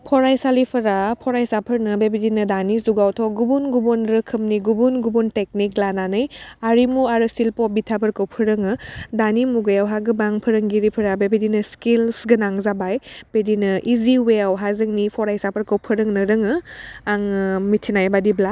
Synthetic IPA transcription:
pʰɔɾajsalipʰɐɾapʰɔɾajsapʰɐɾnɯbebidinɯdanizuɡawtʰɔɡubunɡubunɾɯkʰːɯmniɡubunɡubuntek̚nik̚lananɯjaɾimuaɾɯsilpɔbitʰapʰɐɾkəwpʰɯɾɯŋɯdanimuɡɯjawɦaɡɯbaŋpʰɯɾɯŋɡiɾipʰɐɾabebidinɐskilsɡɯnaŋzabajb̥edinɯʔiziweawɦazɯŋnipʰɔɾajsapʰəɾkəwpʰɯɾɯŋnɯɾɯŋɯaŋmitʰinajbadibla

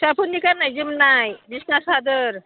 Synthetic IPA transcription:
sapʰundikaɾnajd͡ʑimnajd̪isnasad̪əɾ

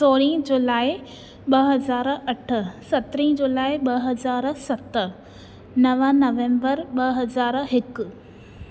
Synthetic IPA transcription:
soːɽĩd͡ʑʊlaːɪ | ɓɐɦɐzaːɾɐʈʰə̆sɐt̪ɾĩd͡ʑʊlaːɪɓɐɦɐzaːɾsɐt̪ə̆ | nɐʋənɐʋẽːmbəɾɓɐɦɐzaːɾɦɪkʊ

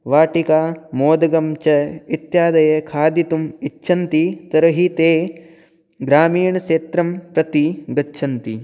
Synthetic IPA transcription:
ʋaːʈikaːmoːd̪ɐɡɐmt͡ʃɐit̪jaːd̪ɐjɐkʰaːd̪it̪umitːʃʰɐnt̪it̪ɐɾɐɦit̪eː | ɡɾaːmiːɳɐʃeːt̪ɾɐmpɾɐt̪iɡɐtːʃʰɐnt̪i

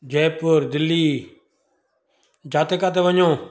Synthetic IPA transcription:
d͡ʒeːpʊɾd̪ɪlːiː | d͡ʒaːt̪ekãːt̪̬eːʋəɲõː

